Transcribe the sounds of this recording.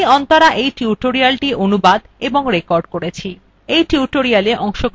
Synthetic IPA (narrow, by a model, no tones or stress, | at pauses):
ɔnt̪aɾaʔejʈiuʈoɾialʈiʔonubad̪eboŋɾekɔɾɖkoɾet͡ɕʰi | ejʈiuʈoɾialeʔɔŋʃoɡ